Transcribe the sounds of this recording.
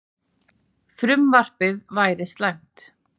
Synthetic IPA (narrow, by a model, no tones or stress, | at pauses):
fɾʏmvar̥pɪðvaːjɾɪst̪lajm̥t̪